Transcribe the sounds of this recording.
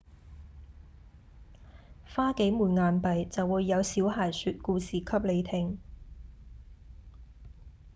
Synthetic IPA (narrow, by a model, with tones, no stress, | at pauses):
faː˥ke˨˥jmuː˨˩nŋaː˨˧npɐ˨jt͡sɐ˨wːuː˨˧jːɐ˨˧wsiː˨˥wɦaː˨˩jsyː˨˧t̚kuː˧siː˨kʰɐ˥p̚le˨˧jt̪ʰɪ˨ŋ